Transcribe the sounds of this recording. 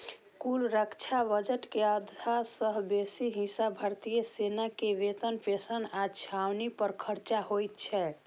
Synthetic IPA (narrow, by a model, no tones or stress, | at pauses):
kulɾəkt͡ʃʰabəd͡ʒəʈkeəd̪ʱasəɦbesiɦisabʱəɾt̪ijəsenakeʋet̪ənpesənat͡ʃʰawnipəɾkʰəɾt͡ʃaɦojt̪t͡ʃʰɛ